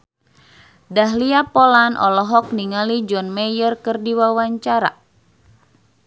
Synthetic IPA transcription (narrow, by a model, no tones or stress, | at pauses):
daɦliapɔlanʔɔ̰lɔɦɔk̚niŋalid͡ʒɔnmɛjərkɨrdiwawaɲt͡ʃaɾa̰